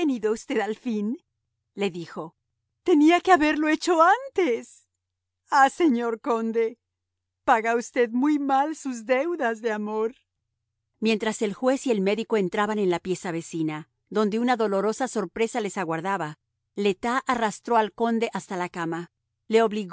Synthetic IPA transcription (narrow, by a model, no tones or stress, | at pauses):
eniðoust̪e̞ðalfin | le̞ðixo̞ | t̪e̞niakeaβe̞ɾlo̞et͡ʃo̞ant̪es | ase̞ɲo̞ɾko̞nd̪e̞ | paɣaust̪e̞ðmujmalsuzd̪ewðazðe̞amoɾ | mje̞nt̪ɾase̞lxwe̞sie̞lme̞ðiko̞e̞nt̪ɾaβane̞nlapje̞saβe̞sina | ðo̞nd̪e̞unaðo̞lo̞ɾo̞saso̞ɾpɾe̞sale̞saɣwaɾðaβa | le̞t̪aʔarast̪ɾoalko̞nd̪e̞ʔast̪alakama | le̞oβliɣ